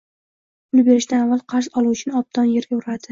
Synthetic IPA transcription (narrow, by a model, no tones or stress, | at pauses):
pʰʊlˠbe̞ɾɪʃd̪anavːalˠqʰɑɾzɒlˠuwt͡ʃʰɪnɒb̚d̪ʰɒnjeɾjoɾad̪ɪ